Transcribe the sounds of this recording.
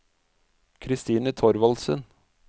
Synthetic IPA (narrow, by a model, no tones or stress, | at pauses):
kʰɾɪst̪iːnət̪ʰɔɾʋɑlsə̰n